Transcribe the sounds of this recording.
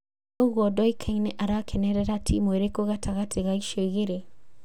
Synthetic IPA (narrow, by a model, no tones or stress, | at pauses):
ouɣɔdɔikʰainɛʔaɾakʰenɛɾɛɾatʰimweɾekoɣatʰaɣatʰeɣaiʃoiɣeɾe